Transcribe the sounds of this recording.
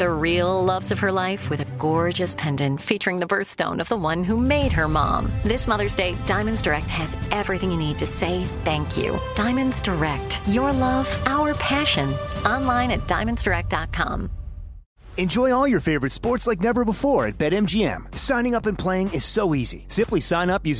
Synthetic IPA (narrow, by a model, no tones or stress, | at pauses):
ðɨɹilˠlʌvzʌv̥ə˞laɪfwɨðɨɡɔɹd͡ʒɨspʰɛ̃ndɨ̃nfit͡ʃə˞ɪ̃ŋðɨbɜ˞θstõ̰ʊ̃nʌvðəwʌ̃nɦumeɪd̚ə˞mɑ̰̃mðɪsmʌðə˞zdeɪdãɪ̃mɨ̃ndzdə˞ɛk̚t̚hɨzʔɛvɹiθɪ̃ŋjɨnid̚tʰɨseɪθæ̃ŋkʰjʉ̰d̥ãɪ̃mɨ̃nzdə˞ɛk̚tjə˞lʌv̥ʔaʊə˞pʰæʃɨ̃nʔɑ̃nlãɪ̃ñɨt̚d̥ã̰ɪ̃mɨ̃nzd̥ə˞ɛk̚d̥ɑt̚kʰɑ̰̃m | ɨ̃nd͡ʒɔɪ̃ɔlˠjə˞feɪvə˞ɨtspɔɹtslaɪk̬̚nɛvə˞bəfɔɹɨ̰t̚b̥ɛɾɛ̃md͡ʒiɛ̰̃msãɪ̃ñɪ̃ŋʌpɨ̃npʰl̥eɪɪ̃ŋɨz̥soʊizḭsɪ̃mplisãɪ̃nʌpjʉz